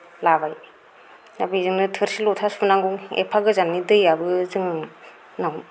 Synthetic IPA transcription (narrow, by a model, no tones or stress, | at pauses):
labaj | nabizɯŋnɯtʰɯɾsilotʰaspunaŋɡuŋḛpʰaɡɯzanːidɯjabɯzɯŋɯŋ | nawm